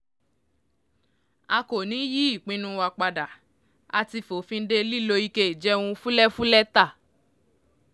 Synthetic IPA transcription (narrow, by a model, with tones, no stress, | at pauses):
a˧ko˨nĩ˨˦ji˦i˦˨k͡pĩ˦nũ˦wa˧k͡pa˧da˨ | a̰˧ti˧fo˨fĩ˧n̩˦de˦li˦lo˧i˦ke˦i˨d͡ʒɛ˦wũ˧fu˦lɛ˦fu˦lɛ˦ta˦˨